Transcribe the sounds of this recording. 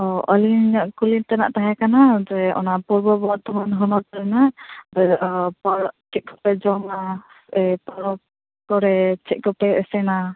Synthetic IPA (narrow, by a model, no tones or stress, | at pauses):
ɔʔɔliɲaʔkulint̪ana̰ʔt̪aɦɛkanad͡ʒɛɔ̰napuɾbɔbɔt̪ɔmanɦɔnɔɾt̪alɛnabɛdʔpaɾɔt͡ʃʰɛʔ̪̚kɔ̥pɛd͡ʒɔŋasɛpaɾɔ | kɔɾɛt͡ʃʰɛʔ̚kɔpɛʔɛsɛna